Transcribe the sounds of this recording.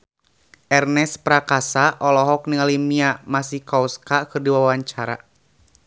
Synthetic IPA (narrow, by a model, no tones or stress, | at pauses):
ʔɛrnɛspɾakasaʔɔlɔɦɔk̚niŋalimiamasihkauskakɨrdiwawaɲt͡ʃaɾa̰